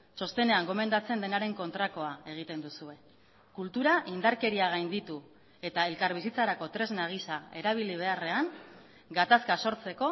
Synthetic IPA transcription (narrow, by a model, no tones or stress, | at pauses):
t͡ʃo̞st̪e̞ne̞aŋɡo̞me̞nd̪at͡se̞nd̪e̞naɾe̞ŋko̞nt̪ɾako̞ae̞ɣ̞it̪e̞nd̪usue̞ | kult̪uɾaʔind̪aɾke̞ɾiaɣajnd̪it̪u | e̞t̪ae̞lkaɾβisit͡saɾako̞t̪ɾe̞znaɣ̞isae̞ɾaβ̞iliβ̞e̞are̞aŋ | ɡat̪askaso̞ɾt͡se̞ko̞